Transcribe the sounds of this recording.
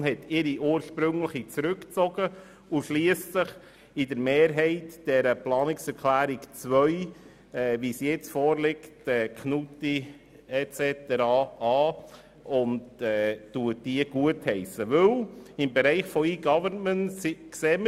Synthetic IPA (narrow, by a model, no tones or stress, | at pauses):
nhɛtɪɾiʔuːəɾʃpɾʏŋləχit͡sɾʉkt͡sɔɡ̥ə | uʃliəssəχ | idəɾmeːɾɦɛɪtd̥ɛɾəplɑːnɪksɛɾkʰlæːɾikt͡svœʏ | ɛːvisjɛt͡sfɔːɾlɪktɛːkʰnuti | ɛt͡sɛtəɾɑɑː | ʔʊndɛːtuət̚d̥iəɡ̥uəthɛɪsəʋʏlɪmbeɾɛɪχfɔiːɡɑvənnmənskseːmə